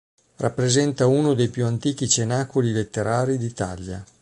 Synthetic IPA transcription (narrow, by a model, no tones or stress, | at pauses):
rapːɾezɛnt̪aunod̪ejpjuant̪iːk̟it͡ʃenakolilet̪ːeɾaːɾid̪it̪a̰lja̰